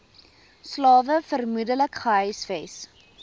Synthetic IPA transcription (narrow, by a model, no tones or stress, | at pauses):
slɑːvəfərmudələkχəɦœjsfes